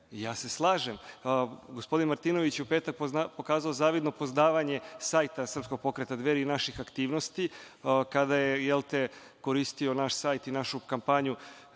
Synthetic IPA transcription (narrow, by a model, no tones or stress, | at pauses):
jaːse̞slˠaːʒe̞m | ɡospo̞d̪inmaɾt̪iːno̞ʋit͡ɕjeupeːt̪ak̚ppo̞kaːzaozaːʋid̪no̞pozd̪aːʋaɲe̞saːjt̪asr̩psko̞ɡ̚po̞kɾet̪ad̪ʋeːɾiːnaʃixakt̪iːʋno̞st̪i | kad̪aje̞jelt̪e̞ | ko̞ɾist̪io̞naʃsaːjt̪inaʃukampaːɲu